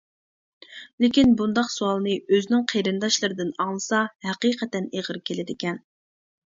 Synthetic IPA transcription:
lɪkʲinbund̪ɑqsuɑlˠnɨøzɪnɪŋqʰeɾɨnd̪ɑʃlˠɨɾɨd̪ɪnɑŋlˠɨsɑhæqiqʰɛt̪ɛneʁəɾkʲʰelɪd̪ɪkʲɛn

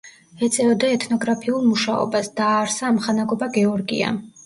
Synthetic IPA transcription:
ɛt̪sʼɛvɔd̪aɛt̪ʰnɔɡɾapʰiulˠmuʃaɔ̰basd̪̥aːɾsaːmχanaɡɔbaɡɛɔɾɡḭa̰

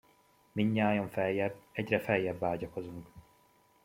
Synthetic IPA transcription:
miɲːaːjɒɱfɛjːɛbːɛɟrɛfɛjːɛbːaːɟɒko̞zuŋk

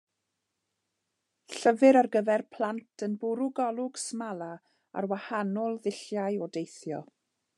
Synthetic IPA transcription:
ɬəvɨɾarɡəvɛrpʰl̥ˠantʰənbʊɾʊɡɔlˠʊɡ̥smalˠa | a̰rwahanɔlˠðɪɬjaɨɔdejθjɔ̰

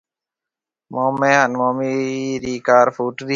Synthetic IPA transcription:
moːmẽːɦənmoːmiːɾiːkaːɾfuːʈɾi

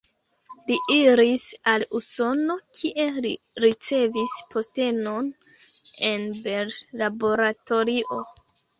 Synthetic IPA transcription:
liʔiɾisaluso̞no̞kʰiʔe̞li | ɾit͡se̞vispʰo̞ste̞no̞n | e̞nbe̞ɾlabo̞ɾato̞ɾiʔo̞

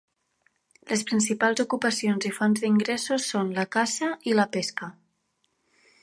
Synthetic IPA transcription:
lʔespɾins̬ipalˠzukupəsionzifɔnzðiŋɡɾesusːonləkasəʔiləpeskə

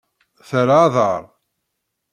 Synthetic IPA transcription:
θəɾaðˤəɾˤ

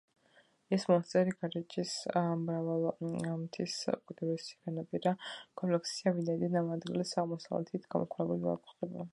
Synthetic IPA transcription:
ɛsmɔst̪sʼɛɾiɡaɾɛt͡ʃʼismɾavalˠamt̪ʰiskʼid̪ɛbɛsi̥ʁɛnapʼiɾakʼɔmplɛksiavinaid̪anamad̪ɡilɛsaʁmɔsavlɛ̰t̪ʰit̪ʰɡ̥amɔ̰kʰɾɛbuliva̰kʰʼuχɛba

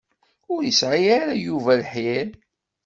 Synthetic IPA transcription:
ʊɾjəsʕiaɾajuvælħɪɾ

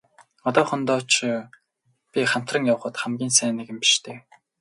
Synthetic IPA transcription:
ɔt̪ɔːχɞ̆nt̪ɔːt͡ɕ | pʲiχam̥t̪rə̆ŋjawə̆χə̆t̪χæmɡʲiːnsæːnĕɣɘ̆mpi̥ʃt̪ʰeː

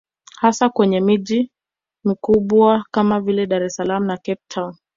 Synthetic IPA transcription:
hasakwɛɲɛmiʄi | mikuɓwakamavilɛɗaɾɛsalamunakɛp̚tʰaun

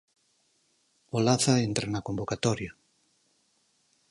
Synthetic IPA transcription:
olaθaent̪ɾanakombokat̪ɔɾja

